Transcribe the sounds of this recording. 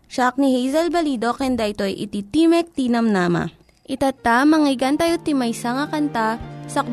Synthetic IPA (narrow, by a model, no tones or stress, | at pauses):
ʃak̚nihɛjzɐlbɐliːd̪o̞kɛnd̪aʔɪt̪o̞ʔjʔɪ̰t̪it̪imɛk̚t̪iːnɐmnaːma̰ | ʔɪt̪at̪amɐŋiɡant̪ajot̪ːimɐjsaŋakɐnt̪asɐk